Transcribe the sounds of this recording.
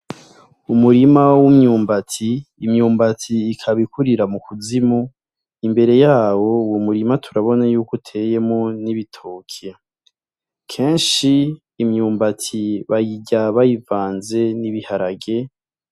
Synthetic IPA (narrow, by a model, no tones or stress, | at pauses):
umuɾimawumɲuːmbatʰiːmɲuːmbatiːkʰaβikuɾiɾamukuzimu | imbe̞ɾe̞jaːwo̞wumuɾimatʰuɾaβo̞najuːkutʰe̞je̞moniβitʰoːkʰe | kʰe̞ːnʃiː | mɲuːmbatʰiβajiɟaβajivaːnze̞niβihaɾaɡe̞